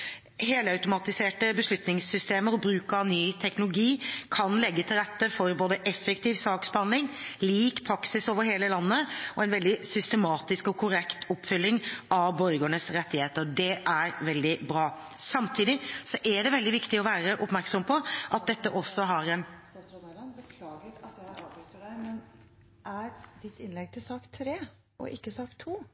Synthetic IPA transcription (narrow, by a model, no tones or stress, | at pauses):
heːləɑʉt̪ʊmɑt̪ɪseːʈəbəʂɭʉt̪nɪŋsːʏst̪eːməɾɔbɾʉːkɑnyːt̪ʰɛknʊlʊɡiːkʰɑnlɛɡːət̪ʰɪlɾɛt̪ːəfɔɾboːd̪əʔɛfːɛkt̪ʰiːʋsɑːksb̥ɑnlɪŋliːkpʰɾɑksɪsoːʋəɾheːləlɑnːəɔɛnʋɛld̪ɪsʏst̪əmɑːt̪ɪskɔkʰʊɾɛkt̪ʰɔpːfʏlːɪŋɑʋbɔɾɡəɳəsɾɛt̪ːɪheːt̪əɾd̪ɛʔæɾʋɛld̪ɪbɾɑː | sɑmt̪ʰiːd̪ɪsɔʔæɖɛʋɛld̪ɪʋɪkt̪ɪɔʋæːɾəʔʊpmæɾksɔmpʰɔʔɑt̪̚d̪ɛt̪ːəʔɔsːɔɦɑɾɛnlnbəkʰlɑːɡə | t̪mɛn | ʔæɾd̪ɪt̪ːɪnlɛɡ̚t̪ʰɪlsɑːkt̪ʰɾeː | ʔɔ̰ʔɪkːəsɑːkt̪ʰːuː